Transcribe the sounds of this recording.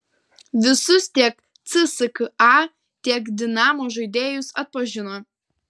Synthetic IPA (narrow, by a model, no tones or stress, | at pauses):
ʋʲɪsʊst̪ʲiɛk | t̪sɨsɨkɨɑ | t̪ʲiɛkd̪ʲɪnɑːmoːʒɐɪd̪ʲeːjʊsɐt̪̚pɐʒʲɪnoː